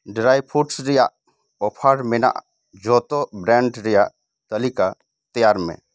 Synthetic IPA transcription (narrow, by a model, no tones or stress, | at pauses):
ɖɾaːjpʰuʈsɾija | opʰaːɽmena̰ʔ | d͡ʒɔːt̪obɾɛ̃ːɳɖɾija | t̪əlika | t̪əjaːɾmḛ̃